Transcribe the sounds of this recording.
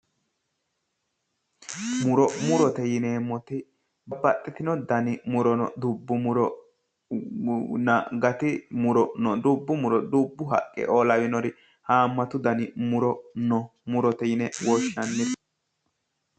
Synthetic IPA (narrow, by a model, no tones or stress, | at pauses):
mʊɾɔmʊɾɔt̪ɛjɪnɛːmɔt̪ɪ | bɐbɐt̪ʼːɛt̪ɪnɔd̪ɐnɪmʊɾɔnɔ̰d̪ʊbːʊmʊɾɔ | nɐɡɐt̪ɪmʊɾɔnɔd̪ʊbːʊmʊɾɔd̪ubːʊɦɐ̰kʼːɛ̰ʔoːlɐwɪnɔɾɪ | haːmːɐt̪ʊd̪ɐnɪmʊɾɔnɔmʊɾɔt̪ɛjɪnɛwɔʃnɐnːɪd̪